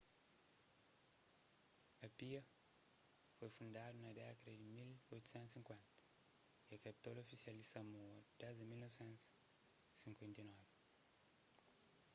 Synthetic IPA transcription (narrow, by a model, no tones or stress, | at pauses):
ɐpiɐ | fojfũnd̪ad̪unɐd̪ɛkɐd̪ɐd̪imilojt̪u̥sɛ̃nt̪u̥sĩŋkwɛ̃nt̪ɐ̥ | iɐkɐpi̥t̪ɔlofisiɐlisɐmoɐd̪ɛzimilnɔvsẽnt̪u̥ | sĩŋkwẽnt̪ɐjnɔvi